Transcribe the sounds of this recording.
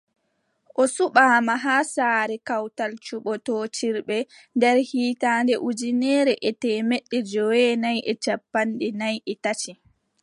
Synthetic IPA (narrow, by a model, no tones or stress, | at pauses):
ʔɔsuɓaːmaɦaːsaːɾɛkawtalt͡ʃuɓɔtɔːt͡ʃiɾɓɛ | ndɛɾhiːtaːndɛʔud͡ʒinɛːɾɛʔɛtɛːmɛɗːɛd͡ʒɔwɛnajʔɛt͡ʃapːandɛnajʔɛtat͡ʃi